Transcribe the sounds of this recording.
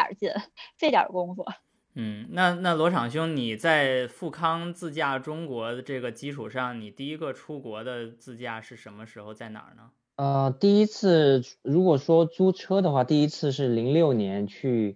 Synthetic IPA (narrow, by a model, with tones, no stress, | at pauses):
t͡ɕɛ˥˩nfɪjɑ̰˨˩˥kʊ˥ŋfɔ̰˥˩ | n̩˥˩na˥˧na˥˩lwɔ˧˥ʈ͡ʂʰɑ˨˩ŋɕ̬jʊ˥ŋni˨˩t͡sa˥˧ɪfu˥˩kʰɑ˥ŋt͡sɹ̩˥˧t͡ɕja˥˩ʈ͡ʂʊ˥ŋkwɔ˧˥ə˧ʈ͡ʂɤ˥˩ɡə˩t͡ɕi˥ʈ͡ʂʰu˨˩ʂɑ˥˩ŋni˨˩t̪i˥˩i˧˥ɡə˧ʈ͡ʂʰu˥kwɔ˧˥d̪ə˧t͡sɹ̩˥˧t͡ɕja˥˩ʂɻ̩˥˩ʂə˧˥nmə˧ʂɻ̩˧˥xo˧ʊt͡sa˥˩ɪnɑ̰˨˩nə˦ | ə˧t̪i˥˩i˥t͡s̩ʰ˥˩ɻu˧˥kwɔ˨˩ʂwɔ˥t͡su˥ʈ͡ʂʰɤ˥d̪ə˨xwa˥˧t̪i˥˩i˥t͡sʰɹ̩˥˧ʂ̬ɻ̩˥˩li˧˥ŋljo˥˩ʊnjɛ˧˥nt͡ɕʰy˥˩